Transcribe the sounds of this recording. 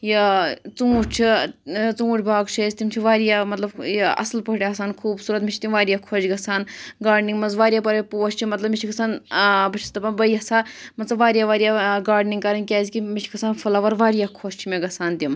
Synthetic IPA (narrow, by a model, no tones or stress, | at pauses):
jɐt͡suuʈʲt͡ʃʰit͡suuʈʲbʱaːɡt͡ʃʰɐzʲt̪ʲimt͡ʃʰiʋaːɾjamɐt̪lɐbjɐ̰slpɐʈʲeɐsaːnkʰuːbsuːɾɐt̪mit͡ʃʰit̪imʋaːɾijaːkʰot͡ʃɡɐsaːnɡaːɖniŋɡmɐnzʋaːɾjaːpɐɾɐpuːɐst͡ʃʰimɐt̪lɐbmit͡ʃʰikʰɐsaːnbɐt͡ʃʰi̥st̪ɐpɐnbɐjɐsaːmɐt̪sɐbʋaːɾjaːʋaːɾijaːɡaːɖniŋɡkaɾɐnkʲaːzkimit͡ʃʰi̥kʰɐsaːnfɐlaʋɐɾʋaːɾijaːkʰost͡ʃʰimʲeɡɐsaːnt̪im